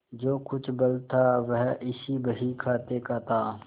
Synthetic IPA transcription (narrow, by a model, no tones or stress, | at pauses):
d͡ʒoːkʊt͡ʃʰbɐlt̪ʰːaːʋəɦɪsibəɦikʰaːt̪ekaːt̪ʰaː